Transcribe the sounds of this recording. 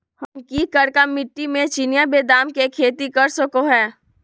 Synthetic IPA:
hɐmkikəɾkamɪʈːimẽt͡ʃɪnɪjabeːd̪aːmkekʰeːt̪ikɐɾsəkoɦɛː

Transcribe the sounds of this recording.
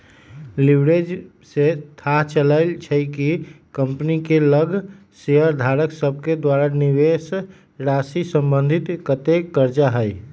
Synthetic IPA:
libɾed͡ʒ | set̪ʰaɦt͡ʃələlt͡ʃʰəkikəmpnikeləɡʱ | seɦəɾd̪ʱaɾəksəb̚ʱked̪waɾaniʋes | ɾasisə̃mbənd̪ʱit̪kət̪ekəɾd͡ʒaɦəj

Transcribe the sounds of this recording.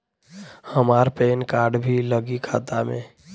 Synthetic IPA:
həmaːɾpeːnkaːɾɖbʱiləɡikʰa̰ːt̪amḛ̃ː

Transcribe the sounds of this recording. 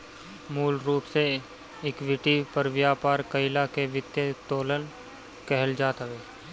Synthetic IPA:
muːlɾuːpse | ɪkʋɪʈipəɾʋjaːpaːɾkəɪlakeʋɪt̪jət̪oːlən | kɛɦəld͡ʒaːt̪ɦəʋeː

